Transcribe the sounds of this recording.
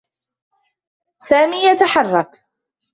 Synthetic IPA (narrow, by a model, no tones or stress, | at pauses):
saːmiːjat̪aħɑrˤːɑk